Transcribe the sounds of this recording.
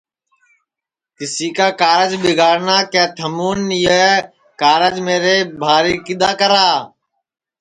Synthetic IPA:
k̪ɪsiːkaːkaːɾəd͡ʒɓɪɡaːɽnaːkɛ̃ːt̪ʰəmuːnɪːə | kaːɾəd͡ʒmeːɾeːbʱaːɾiːkɪd̪aːkəɾaː

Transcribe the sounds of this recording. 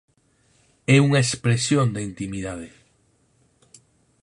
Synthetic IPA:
ɛuŋɐespɾesjond̪eint̪imiðaðe

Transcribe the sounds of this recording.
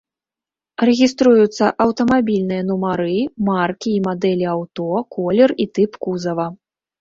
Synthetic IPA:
rɛɣʲist̪ɾujut̪sːɐʔɐwt̪ɐmabʲilʲnɨjɐnumaɾɨmarkʲiːmad̪ɛlʲiawt̪ɔkɔlʲɛrit̪ɨpkuzɐvɐ

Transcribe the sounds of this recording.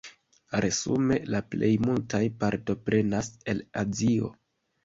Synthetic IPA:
ɾe̞sṵme̞laple̞jmultajpaɾto̞pɾe̞nase̞lazio̞̰

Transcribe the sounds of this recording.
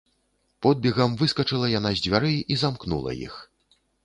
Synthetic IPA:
pɔd̪̚bʲɛɣɐmvɨskɐt͡ʂɨlˠɐjanazʲd͡zʲvʲaɾɨizamknṵlˠɐ̰jḭx

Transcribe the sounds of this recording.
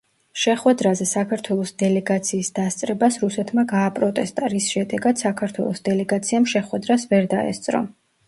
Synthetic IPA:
ʃɛχwɛd̪ɾazɛsakʰaɾt̪ʰwɛlˠɔsd̪ɛlɛɡat̪sʰiːsd̪ast̪sʼɾɛbasɾusɛt̪ʰmaɡaːpʼɾɔt̪ʼɛst̪ʼaɾisʃɛd̪ɛɡad̪̥sakʰaɾt̪ʰwɛ̰lˠɔsd̪ɛlɛɡat̪sʰiamʃɛχwɛd̪ɾasvɛɾd̪aɛ̰st̪sʼɾɔ̰

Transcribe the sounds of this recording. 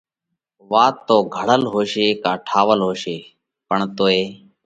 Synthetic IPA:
ʋaːt̪ːoːɡʱəɽ̤əlɦoːʃeːkaːʈʰaːʋəlɦoːʃeː | pəɳt̪oːeː

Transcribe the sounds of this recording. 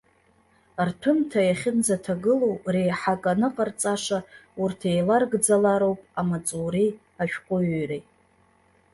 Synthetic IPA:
rtʰɨmtʰajaχʲɪnd͡zatʰaɡɨlo̞wre̞jħakʼanɨqʼart͡sʼaʂaurtʰe̞jlarɡd͡zalaɾo̞wpʼamat͡sʼuri | aʃᶣqʷʼʊɥrej

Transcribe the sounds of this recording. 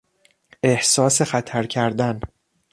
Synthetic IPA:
ʔe̞hsɒːse̞xæt̪ʰæɾcʰæɾd̪æn

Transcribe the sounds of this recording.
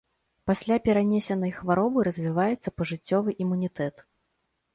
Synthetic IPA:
pasʲlʲapʲɛɾanʲɛsʲɛnɐjxvaɾɔbɨɾɐzʲvʲivajɛt̪sːɐpɐʐɨt͡sʲːɔvɨʔimunʲit̪ɛt̪

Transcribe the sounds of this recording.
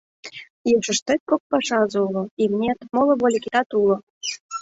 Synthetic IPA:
jit͡ʃə̆ʃt̪et̪̚kok̚pɑʃɑzuloimnʲet̪molˠŏβolʲikʲit̪ɑt̪ulo

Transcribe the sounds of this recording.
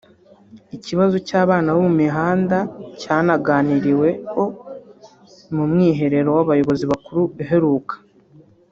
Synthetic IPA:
iciβazocaːβaːnawomumiɦaːndacaːnaɡaːniɾiwe̞kʰo̞ | mumŋiːɦe̞ɾe̞ɾo̞waβajo̞βo̞ziβakuɾuβiɦe̞ɾuːkʰḁ

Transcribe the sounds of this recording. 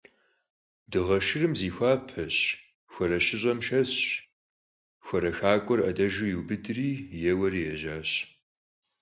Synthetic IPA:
dɨʁɐʃɨrɨmziːxʷaːpʰɐɕ | xʷɔɾɐɕɪɕʼɐmʃɐɕ | xʷɔɾɐxaːkʷʼɔrɐdɐʒɨjuwbɨdriːjɛwɐriːjɛʑaːɕ

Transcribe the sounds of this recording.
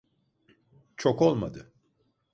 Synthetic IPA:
t͡ʃʰoko̞lˠmad̪ɯ

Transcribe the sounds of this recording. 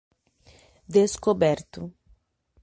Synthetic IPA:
d̪eskobɛɾt̪u

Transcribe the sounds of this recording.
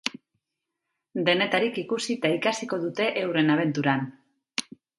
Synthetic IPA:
d̪e̞ne̞t̪aɾikikusit̪aikasiko̞ðut̪e̞ʔewre̞naβ̞e̞nt̪uɾan

